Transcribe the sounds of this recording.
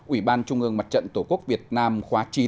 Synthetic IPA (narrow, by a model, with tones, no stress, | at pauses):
ʔwi˧˩ɓaː˧nt͡ɕʊ˧ŋ͡mʔɨ˧əŋma˨˩t̚t͡ɕə̰˧˨nt̪o˧˩ku˦˥ək̚vi˨˩ət̚naː˧mxwaː˨˦t͡ɕi˧˦